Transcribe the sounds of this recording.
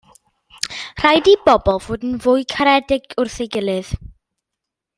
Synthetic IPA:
r̥ajdibɔbɔlˠv̥oːdn̩vʊɨkʰaɾɛdɪɡʊrθɪɡɪlˠɨð

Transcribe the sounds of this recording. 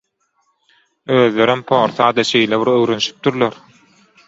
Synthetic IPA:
øːðle̞ɾympʰoːɾθɑːd̪ɑʃejleβiɾøwɾønyʃi̥p̚d̪uɾloɾ

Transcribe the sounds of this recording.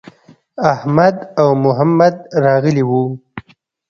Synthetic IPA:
ahmad̪awmʊɦamːad̪ɾɑɣəliwu

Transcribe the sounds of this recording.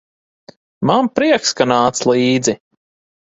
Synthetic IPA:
mampɾiɛkskanaːt̪slˠiːd̪zi

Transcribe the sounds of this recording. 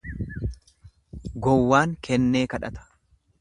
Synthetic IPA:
ɡɔwːaːŋkʰɛnːeːkɐᶑɐt̪ɐ̥

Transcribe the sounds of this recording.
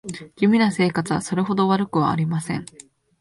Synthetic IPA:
ɡ̥ʲimʲinase̞ːkat͡sɨβaso̞ɾe̞ɦo̞d̪o̞βaɾɯ̟kɯ̟β̞a̰ːɾʲimasẽ̞̰ŋ

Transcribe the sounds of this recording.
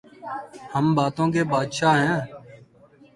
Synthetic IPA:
həmbaːt̪õːkeːbaːd̪ʃaːɦɛ̃ː

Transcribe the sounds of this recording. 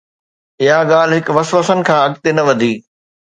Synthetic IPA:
ɪɦaɠaːl̤ɦɪkʋɐsʋəsənɪ̆kʰãːɐɠt̪enɐʋɐd̪ʱiː

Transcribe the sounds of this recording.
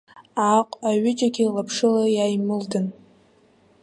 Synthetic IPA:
aqʷʼaɥɪd͡ʒaɡʲɪlapʰʂɨlajajmɨldɨn

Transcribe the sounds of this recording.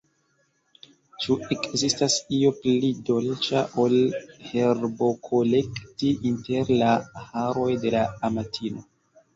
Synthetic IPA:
t͡ʃuʔekzistasio̞plido̞lt͡ʃaʔo̞lhe̞ɾbo̞kʰole̞ktiʔinte̞ɾlahaɾo̞jde̞laːmatʰino̞

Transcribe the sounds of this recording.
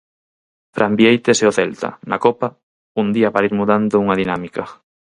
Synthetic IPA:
fɾʔambiejt̪eseʊθɛlt̪ɐ̰nɐ̰kɔpɐ | und̪iɐpaɾaiɾmuðand̪ʊuŋɐðinamikɐ

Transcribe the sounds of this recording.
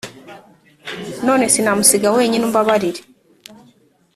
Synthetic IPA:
no̞ːne̞sinamusiɡawe̞ːɲinumbaβaɾiɾe

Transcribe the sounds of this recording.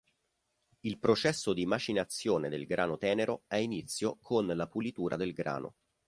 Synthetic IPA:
ilpɾot͡ʃɛsːod̪iːmad͡ʒinat̪sːjoːned̪elɡɾʔaːnot̪ɛːneɾoɛinit̪sːjokʰonlapulit̪uːɾʔa̰d̪elɡɾa̰ːnʔo̰

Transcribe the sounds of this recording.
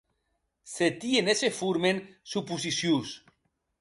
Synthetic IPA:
set̪ienesefuɾmensupusisjus

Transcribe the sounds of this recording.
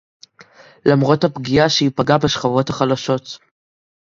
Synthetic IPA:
lamʁo̞thapɡijaʃeipaɡabeʃχavo̞thaχalaʃo̞t

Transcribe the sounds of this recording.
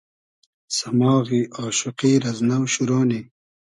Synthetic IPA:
sɐmɑːɣiʔoːʃuqiːɾɐznawɕuɾoːni

